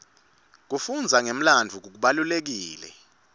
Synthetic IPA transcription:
k̬ufund͡zʱaŋem̩land͡vʱuk̬uk̬uɓalulek̬iːlɛ̰

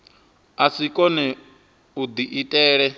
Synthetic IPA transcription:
asikʼɔnɛ | ud̪iʔitʼɛːɺɛ

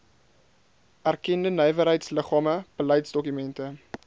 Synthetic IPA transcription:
ʔærkɛndənœjvəɾɦəjtsləχɑːməb̥ələjtsdɔkymɛntə

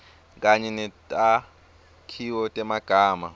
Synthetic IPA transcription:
k̬ʼaɲɛnɛtʼa | kʰiwɔtʼɛmaɡ̥ʱaːma̰

